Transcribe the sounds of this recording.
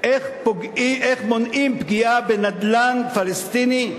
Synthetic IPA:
ʔeχpoɡiʔeχmonʔimpɡiabenad̪lanfalest̪ini

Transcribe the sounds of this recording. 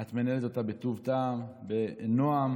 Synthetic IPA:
at̪manelet̪o̞t̪abet̪uvt̪aːmbenoam

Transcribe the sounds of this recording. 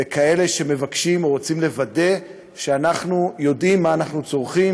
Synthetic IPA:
ekʰae̞le̞ʃe̞me̞vakʃimoʁot͡simle̞vade̞ | ʃeanaχnujo̞dimːaːnaχnut͡so̞ʁχim

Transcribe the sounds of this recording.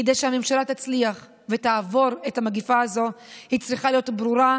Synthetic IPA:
ed̪ejʃehamemʃalat̪at͡sliaχ | vetaːvo̞ʁe̞thamaɡifaːzo̞hit͡sʁiχalijo̞tbʁuʁa

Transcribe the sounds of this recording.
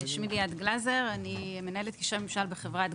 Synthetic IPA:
ʃmiliad̪ɡlazeʁanimenaelet̪kiʃamemʃalbeχevʁat̪

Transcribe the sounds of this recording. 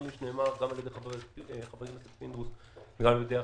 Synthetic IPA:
miʃneːmaʁɡamaljd̪eχavχavekilosepind̪ʁus | veɡamaljed̪ea

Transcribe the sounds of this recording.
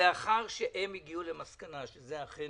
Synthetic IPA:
eaχaʁʃeʔemiɡiulemaskanaʃezeaχe

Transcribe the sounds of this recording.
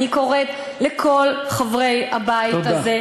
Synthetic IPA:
niko̞ʁet̪ | lekʰo̞lχavʁe̞jhabaidaze

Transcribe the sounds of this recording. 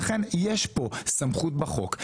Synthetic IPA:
χenjeʃpo̞samχut̪baχo̞k

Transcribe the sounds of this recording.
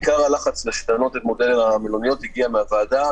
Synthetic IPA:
kaʁalaχat͡sleʃt̪ano̞t̪etmodelenamilonijo̞t̪hiɡiameavaːda

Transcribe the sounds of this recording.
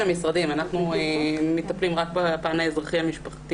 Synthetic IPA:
amisʁad̪imanaχnuemit̪aplimʁak̚bapaʕanajazʁaχiamiʃpaχt̪i

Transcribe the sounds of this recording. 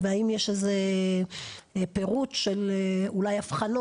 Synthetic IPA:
veaimjeʃeze | pe̞ʁutʃeleulajafχano

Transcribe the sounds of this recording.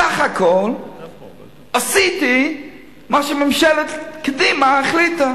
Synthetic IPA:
aχakʰɔl | asiti | maʃəmɛmʃɛlətkdimaaχlita

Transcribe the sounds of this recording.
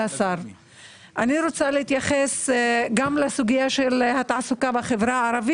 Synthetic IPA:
asaɾ | ʔaniɾo̞t͡salehit̪jaχesɡamlesuɡijaʃelhat̪aʕsukabaχevɾaaɾavi

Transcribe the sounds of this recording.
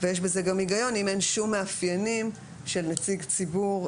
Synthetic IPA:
vejeʃ̬bezeɡamiɡajo̞nimenʃumːeafjanim | ʃelnet͡siɡt͡sibuʁ

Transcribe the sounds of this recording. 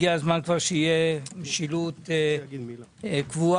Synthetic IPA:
iazmankvaʁʃeijemeʃilut̪ | kvua

